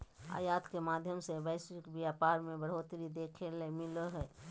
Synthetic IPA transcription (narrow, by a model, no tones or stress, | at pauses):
a̰ːjaːt̪kemaːd̪ʱjəmsebəɪsɪkbjaːpaːɾmẽbəɽ̤oːt̪ɾid̪eːkʰelemɪləɦɛː